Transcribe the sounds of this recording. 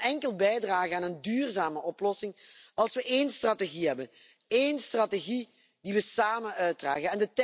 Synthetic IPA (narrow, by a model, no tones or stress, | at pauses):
ɛŋkəlˠbɛjdraːɣəaːnəndyːrzaːməʔɔplɔsɪŋɑlˠsʋəʔeːnstrateɣiɦɛbən | eːnstrateɣi | d̥iʋəsaːmənœɥt̚dra̰ːɣənɛndətɛ